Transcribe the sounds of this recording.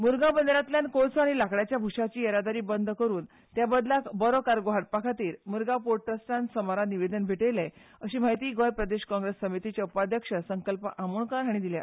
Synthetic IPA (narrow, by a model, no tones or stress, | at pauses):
muɾɡabənd̪ɾat̪ljankot͡sʰaɽ̃ilakɽjat͡ɕjabʱuʂat͡ɕiːeɾad̪aɾiːbənd̪ʱkəɾuːn | t̪jabəd̪lakbəɾokaɾɡoɦaʈ̚pakʰat̪iːɾmuɾɡapoʈəsʈ̪ʰansəmaɾaniʋed̪ənbʱiʈeleəɕiːmaɦjt̪iːɡojpɾəd̪eɕkɔ̃ŋɡɾesːəmit̪it͡ɕeupad̪ʱjəkʂəsəŋkəlpəʔamuɳkaɾɦaɽ̃id̪ilja̰